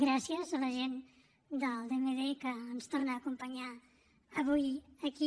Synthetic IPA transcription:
ɡɾasiəzələʒen | d̪əlˠd̪emeðekəːnst̪urnaːkumpəɲa | əβujəki

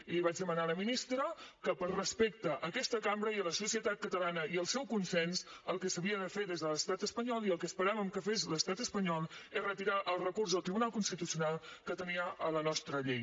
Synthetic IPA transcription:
iliβ̞ad͡ʒðəmənaləminist̪ɾəkəpəlˠrəspek̚t̪əʔəkɛst̪əkambɾəiələsusiət̪at̪̚kət̪əlanəiəlˠsɛwkunsɛnsəlˠkəsəβiəðəfeðezðələst̪at̪əspəɲɔliəlˠkəspəɾɛməmkəfezləst̪at̪əspəɲɔlˠerət̪iɾaʔəlˠrəkurzðəlˠt̪ɾiβunalˠkunst̪it̪usiunalˠkət̪əniəələnɔst̪ɾəʎej

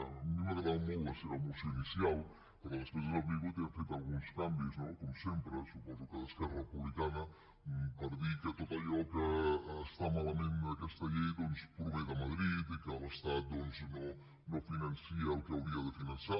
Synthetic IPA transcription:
memaɣɾaðawmowaseɾawmuseinisjal | poɾkɛlaskezazaβiɣuot̪ɛafejt̪alˠɣunskambjuznokomsempɾəsupɔzukalaskɛrɐepuβlikanɐ | mpaɾðikeat̪ot̪aʎɔkast̪amalamẽnakɛst̪ɐʎɛjd̪onspɾuβɛðamaðɾit̪ikalast̪at̪̚d̪onsno | nofinansiaukeawɾiaðəfinansa

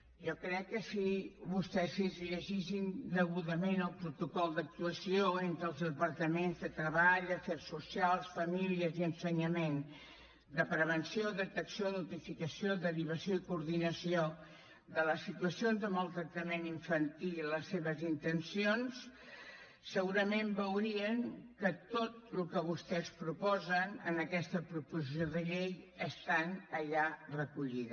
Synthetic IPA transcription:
jɔkɾɛkːəsiβust̪ɛzezʎəʒis̬ind̪əɣuðəmenəlˠpɾut̪ukɔlˠd̪ək̚t̪uəsioent̪ɾəlˠzðəpəɾt̪əmenzðət̪ɾəβaʎəfɛɾsːusialˠsfəmiliəziənsəɲəmen | d̪əpɾəβ̞ənsioðət̪əksioðut̪ifikəsioðəɾiβ̞əsijoikuɾðinəsio | d̪ələsit̪uəsionzðəməlˠt̪ɾək̚t̪əmeniɱfənt̪iiləsːeβəzint̪ənsionsː | əɣuɾəmembəwɾiəŋkət̪ot̪̚lukəβ̞ust̪ɛspɾupɔzənə̰nəkɛst̪əpɾupuzis̬joðəʎejəst̪anəʎarəkuʎiðə

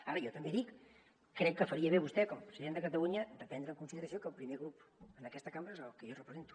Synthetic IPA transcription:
aɾəjɔt̪əmbeðikː | ɾɛkːəfəɾiəβ̞eβust̪ɛkɔmpɾəziðend̪əkət̪əluɲəd̪əpɛnd̪ɾəŋkunsiðəɾəsiokəlˠpɾimeɣɾupənəkɛst̪əkambɾəezəkəjorəpɾəzent̪u̥

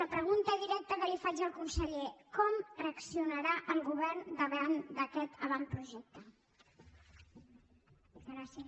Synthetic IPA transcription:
əpɾəɣunt̪əðiɾɛk̚t̪əkəlifad͡ʒəlˠkunsəʎekɔmreəksiunəɾaʔəlˠɣuβɛrnd̪əβɛrnd̪əkɛt̪əβanpɾuʒɛk̚t̪ə | ɾas

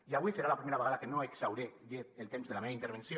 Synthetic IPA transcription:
iaβwiseɾalapɾimeɾaβeaðakenoeksawɾedeelt̪emzðelameint̪eɾβensjo

